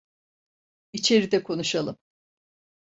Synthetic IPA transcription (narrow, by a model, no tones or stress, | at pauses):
it͡ʃʰe̞ɾid̪ɛkʰo̞nuʃalˠɯm